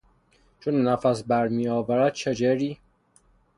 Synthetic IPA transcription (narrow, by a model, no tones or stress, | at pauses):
t͡ʃʰonːæfæsbæɾmiːjɒːvæɾæd̪̥̚t͡ʃʰed͡ʒeɾiː